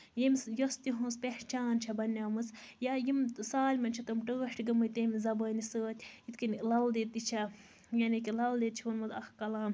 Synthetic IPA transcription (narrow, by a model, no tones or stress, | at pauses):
jimʲjost̪iɦũːspeht͡ʃaːnt͡ʃʰɐbɐnʲːɐːmɨsjajimsaːlʲmɐnt͡ʃʰɐt̪ɐmʈəːʃʈʰɡɐmɨjt̪eːmʲizɐbəːnisəːt̪ʲit̪kinlɐld̪et̪ːit͡ʃʰɐ | jɐnikilɐld̪et̪̚t͡ʃʰiunmɐt̪ɐhkɐlaːm